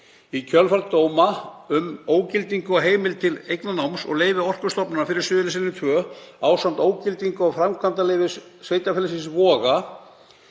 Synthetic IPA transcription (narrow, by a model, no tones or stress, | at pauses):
icʰœlfaɾt̪oːwmaʏmoːwcɪlt̪iŋkʏaɦeːjmɪlt̪ʰɪlejknanawmsɔ̰ɣleːjvɪɔr̥kʏ̥st̪ɔpnʏnafɪɾɪɾ̥sʏːðʏlɪsɪnːɪt̪ʰvœː | aːwsant̪oːwcɪlt̪iŋkʏawfɾamkʰvant̪alejvɪsːvejt̪afɛlɪsɪsvɔːɣa